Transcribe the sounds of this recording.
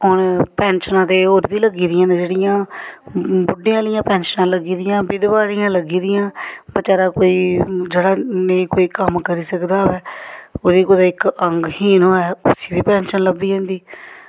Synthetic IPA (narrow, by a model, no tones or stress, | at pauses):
ɦʊnpɛ̃ːnʃnãːt̪eːoːɾʋiːləɡiːd̪ɪjãːnd͡ʒeːɽɪjãː | bʊɖːɪjãːlɪjãːpɛ̃ːnʃənãːləɡiːd̪ɪjãːbɪd̪ʋaːɽɪjãːləɡiːd̪ɪjãːbət͡ʃaːɾãːkoːiːd͡ʒeːɽaːneiːkoːiːkəmkəɾiːsəkd̪aːʋɛːoːd̪iːkoːd̪aːɪkəŋɡhiːnɦoːɛːʊsi̥ːʋiːpɛ̃ːnʃənləbːiːɦɛ̃ːnd̪iː